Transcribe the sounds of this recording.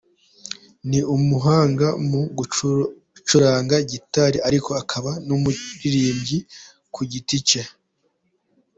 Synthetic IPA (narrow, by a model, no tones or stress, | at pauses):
niʔumuɦaːŋɡamuɡu | t͡ʃuɾaːŋɡaɟitaɾiaɾiko̞akʰaβanumuɾiɾiːmɟi | kʰuɟitica